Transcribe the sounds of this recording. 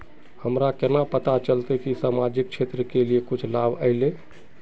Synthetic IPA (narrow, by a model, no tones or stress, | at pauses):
həmɾakenapət̪at͡ʃəlt̪ekisamad͡ʒik̚t͡ʃʰet̪ɾəkeliekut͡ʃʰlabʱəɪle